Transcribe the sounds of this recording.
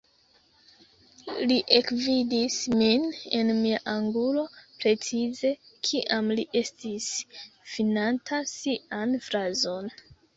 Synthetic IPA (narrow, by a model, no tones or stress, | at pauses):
liʔe̞kvidismine̞nmiaʔaŋɡulo̞pɾe̞t͡size̞kʰiʔamliʔe̞stisfinantʰasiʔanfɾazo̞n